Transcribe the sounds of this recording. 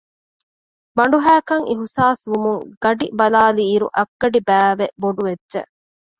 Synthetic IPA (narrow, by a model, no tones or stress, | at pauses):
bɐɳɖuɦæːkɐŋiɦusaːsʋumuŋɡ̥ɐɖibɐlaːliːɾṵʔɐɡːɐɖibæːʋeboɖuʋedːʒḛʔ